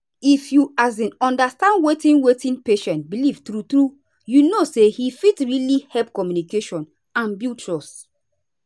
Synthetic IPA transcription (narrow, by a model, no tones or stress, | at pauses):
ifjuazĩnɔ̃ndastãndwetĩnwetĩnpeʃɛ̃ntbilivtɾutɹu | junosehifitɹilihɛlp̚kɔmjunikeʃɔ̃n | ãnbiltɹɔs